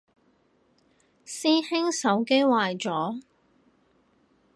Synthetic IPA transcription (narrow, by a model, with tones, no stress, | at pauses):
siː˥hɪ˥ŋsɐ˨˥wke˥jwaː˨˧jt͡sɔː˨˥